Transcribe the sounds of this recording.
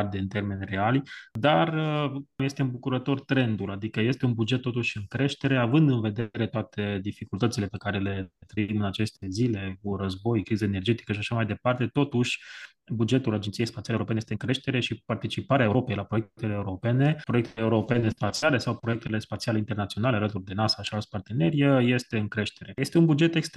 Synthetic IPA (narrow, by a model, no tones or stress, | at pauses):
rd̪eɨnt̪e̞rme̞nʲre̞ald̪arəkuje̞st̪eɨmbukuɾət̪o̞rt̪ɾe̞nd̪ulad̪ikəje̞st̪e̞unbud͡ʒet̪ːot̪uʃʲɨŋkɾe̞ʃt̪e̞ɾe̞avɨnd̪ɨnve̞d̪eɾe̞t̪oat̪ʰe̞d̪ifikult̪ət̪sile̞pe̞kaɾe̞le̞t̪ɾəimɨnat͡ʃe̞st̪e̞zile̞kurəzbo̞jkɾizaene̞rd͡ʒe̞t̪i̥kəʃiaʃamajd̪e̞part̪e̞t̪o̞t̪uʃʲ | bud͡ʒe̞t̪ulad͡ʒet̪siespat̪iaeuɾopenejest̪eɨŋkɾe̞ʃt̪e̞ɾe̞ʃipart̪it͡ʃipaɾeaeuɾo̞pe̞jlapɾo̞jekt̪eleeːuɾo̞pe̞ne̞pɾoek̚t̪ʰeleuɾo̞pe̞ne̞spat̪siale̞sawpɾo̞jek̚t̪e̞le̞spat̪sialeint̪ernat̪ionale̞alət̪urd̪e̞nasaʃialspart̪e̞ne̞ɾijəje̞st̪e̞ɨŋkɾe̞ʃt̪e̞ɾe̞je̞st̪e̞unbud͡ʒe̞t̪ekst̪